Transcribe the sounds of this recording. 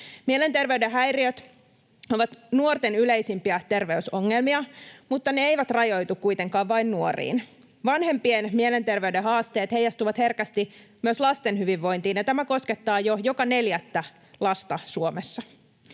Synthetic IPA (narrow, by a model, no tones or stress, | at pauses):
miele̞nt̪e̞rʋeydeɦæjriøt̪ | oʋɑt̪nuort̪enylejsimpiæt̪e̞rʋeysoŋːelmiɑmut̪ːɑneejʋæt̪rɑjo̞jt̪ukkːujt̪e̞ŋkɑːʋʋɑinnuorḭːn | ʋɑnhe̞mpienmielent̪e̞rʋeydehɑːst̪e̞ːt̪he̞jɑst̪uʋɑt̪he̞rkæst̪imyøslɑst̪enhyʋiʋːo̞jnt̪iːnjɑt̪æmæko̞ske̞t̪ːɑːjojokɑne̞ljæt̪ːæ | lɑst̪ɑsuomesːɑ